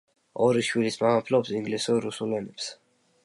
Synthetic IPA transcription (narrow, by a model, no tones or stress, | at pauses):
ɔɾiʃwilismamapʰlɔpsiŋɡlisuɾɾusulɛnɛps